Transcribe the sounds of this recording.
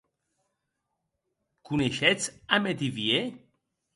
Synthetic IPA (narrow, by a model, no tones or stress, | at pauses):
kuneʃɛt͡samet̪ivie